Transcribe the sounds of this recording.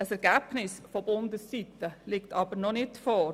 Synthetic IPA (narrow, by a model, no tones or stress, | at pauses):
əsɛɾɡ̥æb̥nɪsfɔbʊnd̪əsːit̪əlɪktʰɑbəɾnɔnɪtfɔː